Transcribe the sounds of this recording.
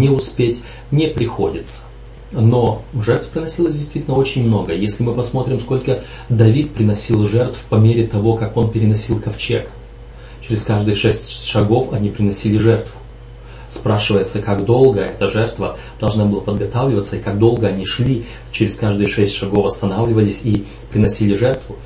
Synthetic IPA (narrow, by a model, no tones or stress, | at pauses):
nʲɪʊspʲetʲ | nʲɪpɾʲɪxo̞dʲɪt̪sə̥ | no̞ʐɛrt̪və̥pɾʲɪnɐsʲilˠəsʲdʲɪjst̪vʲitʲɪlʲnəot͡ɕɪnʲmno̞ɡəjesʲlʲɪmɨpɐsmo̞t̪ɾʲɪmsko̞lʲkə | d̪ɐvʲit̪̚pɾʲɪnɐsʲilˠʐɛrt̪fpɐmʲeɾʲɪt̪ɐvo̞kako̞npʲɪɾʲɪnɐsʲilˠkɐft͡ɕe̞k | t͡ɕɪɾʲɪskaʐd̪ɨjəʂɛsʲtʲʂɐɡo̞fɐnʲipɾʲɪnɐsʲilʲɪʐɛrt̪vʊ̥ | spɾaʂɨvəjɪt̪səkaɡd̪o̞lˠɡəɛt̪əʐɛrt̪və | d̪̥ɐlˠʐnabɨlˠəpəd̪ɡɐt̪avlʲɪvət̪sːəɪkaɡd̪o̞lˠɡəɐnʲiʂlʲi | t͡ɕɪɾʲɪskaʐd̪ɨjəʂɛsʲtʲʂɐɡo̞fɐst̪ɐnavlʲɪvəlʲɪsʲi | pɾʲɪnɐsʲilʲɪʐɛrt̪vʊ